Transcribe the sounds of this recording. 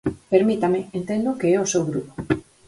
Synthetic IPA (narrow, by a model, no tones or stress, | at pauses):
peɾmit̪amɪent̪end̪okeɛosewɣɾupo̥